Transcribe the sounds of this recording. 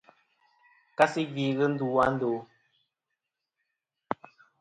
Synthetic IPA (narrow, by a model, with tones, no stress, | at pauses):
ka˦si˦ɡi˨ɣə˦n̩˦du˦wa˦n̩˦do˨˦